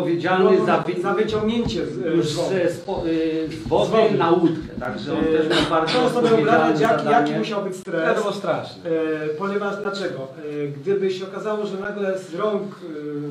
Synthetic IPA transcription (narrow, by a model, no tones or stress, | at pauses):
ɔvʲjed͡ʑalnɪzavzavɨt͡ɕɔ̃ŋɡɲeɲt͡ɕɛuʐɔzɛspɔzvɔvɛnaut̪kɛ̰t̪a̰ɡʐɛɔ̰nt̪ɛʃawbaɾzsɔ̃ɔst̪ɔbɔvbɾaaɛjaad̪ajakʲimuɕawbɘt͡ɕst̪ɾɛsɔwɔst̪ɾaʂnɛpɔɲɛvaʐd̪lat͡ʂɛɡɔɡd̪ɘbɘɕɛɔkazawɔʐɛnaɡlɛzɾɔŋk